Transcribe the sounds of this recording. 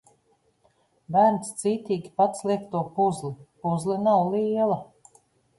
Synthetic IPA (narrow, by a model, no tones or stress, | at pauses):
bæːɾnst̪siːt̪iːɡʲipat̪slˠikt̪uɔpuzlipuzlinawlˠiɛlˠa